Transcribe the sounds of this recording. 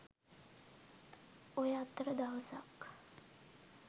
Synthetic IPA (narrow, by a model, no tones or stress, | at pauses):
ojəat̪ːəɾəd̪aʋəsak